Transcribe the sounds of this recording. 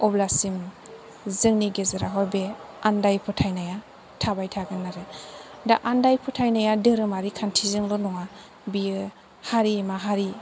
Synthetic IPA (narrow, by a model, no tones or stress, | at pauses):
ɔblasim | zɯŋniɡezaɾaɦɔɾbe | andajpʰɯtʰajnaja | tʰabajtʰaɡɯnːaɾɯ | daʔandajpʰɯtʰajnajadɯɾɯmaɾikʰantʰizɯŋlɔnɔŋa | biɯ | haɾimaɦaɾi